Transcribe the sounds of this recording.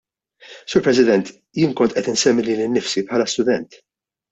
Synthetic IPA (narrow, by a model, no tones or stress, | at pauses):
suːɾpɾɛsɪd̪ɛnt̪ | jɪːnkɔnt̪ʔɛt̪ɪnsɛmːiliːnɪnːɪfsipħɐːlɐst̪ʊd̪ɛnt̪